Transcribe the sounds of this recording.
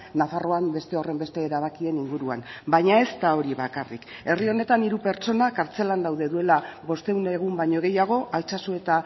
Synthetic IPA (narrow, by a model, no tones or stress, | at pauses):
nafaro̞ambe̞st̪e̞o̞re̞mbe̞st̪e̞ːɾaβ̞akie̞niŋɡuɾua̰nbajɲae̞st̪ao̞ɾiβakarḭke̞rio̞ne̞t̪aniɾupe̞ɾt͡ʃo̞nakaɾt͡se̞land̪awðe̞ðue̞laβo̞st̪e̞wneɣ̞umbaɲo̞ɣe̞jaɣ̞o̞ʔalt͡sasue̞t̪a